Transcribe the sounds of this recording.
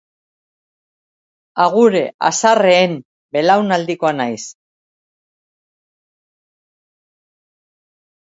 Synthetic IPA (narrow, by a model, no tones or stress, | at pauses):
aɣuɾe̞ʔa̰sareːm | be̞lawnald̪iko̞anajs